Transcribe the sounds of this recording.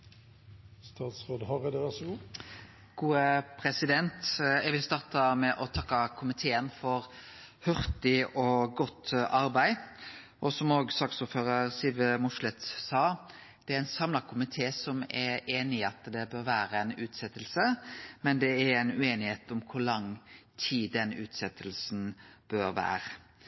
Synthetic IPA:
st̪ɑːt̪sʁoːd̪hɑɾəd̪əʋæʁsɔɡuː | ɡ̥uːəpʰɾɛsɪd̪ɛnt̪ɛɡʋɪlst̪ɑːʁt̪ɑmɛʔɔt̪ʰɑkːɑkʰʊmɪt̪ʰeːənfɔɾ | hœʁt̪ɪɔɡɔt̪ːʔɑɾbæɪ | ʔɔsɔmoːɡst̪ɑksuːɾføːʁəʁsɪlʋəmʊʂlɛt̪sɑː | d̪̥ɛæɾɛɪnsɑmlɑkʰʊmɪt̪ʰeːsɔmɛɾeːnɪɑt̪d̪ɛbøːɾʋæːɾəæɪnʉːt̪sɛt̪ːəlsəmɛnd̪ɛæɾæɪnʉeːnɪheːt̪ɔmkʰʊɾlɑŋːt̪ʰiːd̪ɛnʉːt̪sɛt̪ːəlsn̩b̥øːɾʋæ̰ːɾə

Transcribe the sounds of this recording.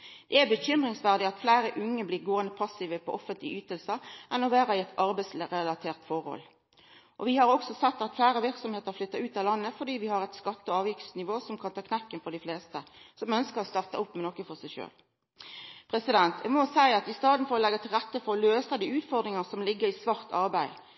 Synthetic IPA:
d̪̥ɛæbəçʏmʁɪŋsʋæʁd̪ɪɑt̪flæɪɾəʔʉŋːəbliːɾɡoːənd̪əpʰɑsːiʋəpʰɔ̰ʔɔfənt̪lɪyːt̪əlsəʔɛnɔʋæːɾɑɪɛt̪ʰɑɾbæɪsʁɛlɑt̪ʰeːʁt̪fɔɾhɔ̰l | ʔɔʋɪhɑɾɔksɔsɛt̪ːɑt̪flæɪɾəʋɪɾksɔmheːt̪əɾflʏt̪ːɑʉːt̪ɑlɑnːəfɔɖiːʋɪhɑɾɛt̪skɑt̪ːɔɑːʋjɪkt̪snɪʋoːsɔmkʰɑnt̪ʰɑːkʰnɛkːənfɔʁɖ̪ɪfleːst̪əsɔmœnskəɾɔst̪ɑʁt̪əʊpːmɛnɔkːəfɔsæɪʃø̰ːl | pʰɾɛsɪd̪ɛnt̪ʰjæmɔsæɪɑt̪ɪst̪ɑːd̪n̩fɔɾɔlɛɡːɑt̪ʰɪlʁɛt̪ːəfɔɾɔløːsəd̪iːʉːt̪fɔʁd̪ɾɪŋəsɔmlɪɡːəɾɪsʋɑʁt̪ɑʁbæɪ

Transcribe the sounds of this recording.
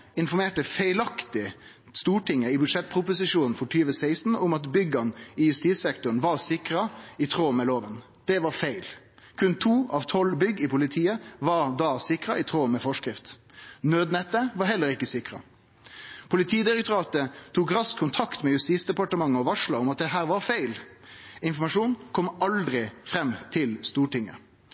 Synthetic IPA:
ɪnfɔɾmeːʈəfæɪlɑkt̪ɪ | st̪uːʈʰɪŋːəɪbʉd̪ʂɛt̪̚ːpʰɾʊpʊsɪʂuːnn̩fɔʈʰyːʋəsæɪst̪n̩ʊmɑt̪bʏɡɑnɪjʉst̪iːssɛkt̪ʊɳ̩ʋɑɾsɪkɾɑit̪ʰɾoːmɛːloːʋən | d̪̥ɛʋɑɾfæɪl | kʰʉnt̪ʰuːɑʋt̪ʰɔlbʏɡːɪpʰʊlɪt̪ʰiːəʋɑɾd̪ɑsɪkɾɑʔɪt̪ʰɾoːmɛfɔʂkɾɪft̪nøːd̪nɛt̪ːəʋɑɾɦɛlːəɾɪkːəsɪkɾɑ̰ | pʰʊlɪt̪ʰiːd̪ɪɾɛkt̪ʊɾɑːt̪ət̪ʰuːkɾɑskʰʊnt̪ʰɑkt̪mɛjʉst̪iːsd̪ɛpɑʈəmɑŋːəɔʋɑʂlɑʊmɑt̪̚d̪ɛɦæːɾʋɑɾfæɪl | ɪnfɔmɑʂuːnkʰɔmːɑld̪ɾɪfɾɛmːt̪ʰɪlst̪uːʈɪŋːə̰

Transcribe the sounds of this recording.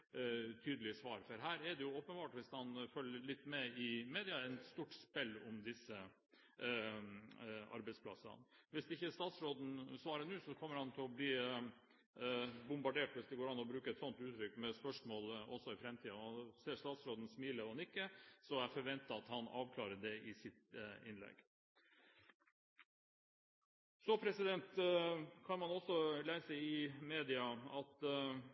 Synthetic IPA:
t̪ʰyːd̪l̩ɪsʋɑːɾfɔɾɦæːɾɛɖɛjʊoːpənbɑːʈʋɪshɑnfœlːəɭɪt̪ːmɛɪmeːd̪ɪɑɛnst̪uːʈspɛlːʊmd̪ɪsːə | ʔɑ̰ɾbɛɪspʰlɑ̰sɑ̰nʋɪsd̪ɛɪçːəst̪ɑːt̪sɾoːd̪n̩sʋɑːɾənʉːsɔkʰɔmːəɾhɑnt̪ʰɪlɔbliː | bʊmbɑɖeːʈʋɪsd̪ɛɡoːɾɑnːɔbɾʉːkəɛt̪sɔnt̪ʉːt̪ʰɾʏkːmɛspœʂmoːlɔ̰sɔɪfɾɛmt̪ʰiːɑɑnseːʂt̪ɑːt̪sɾoːd̪n̩smiːləɑnɪkːəsɔæɾfɔɾʋɛnt̪ːəɑt̪hɑnɑ̰ːʋkʰlɑːɾəd̪ɛʔɪsɪt̪ɪnlɛ̰ɡ | sɔpʰɾɛsɪd̪ɛnt̪kʰɑnmɑnɔsːɔlæɪsəɪmeːd̪ɪɑɑt̪

